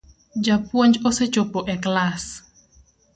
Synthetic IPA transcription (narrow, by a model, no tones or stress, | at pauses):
d͡ʒapwɔɲd͡ʒoset͡ʃopɔʔɛklas